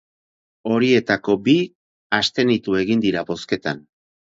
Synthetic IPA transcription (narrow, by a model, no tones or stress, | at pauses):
o̞ɾie̞t̪ako̞bi | ast̪e̞nit̪ue̞ɣind̪iɾabo̞ske̞t̪an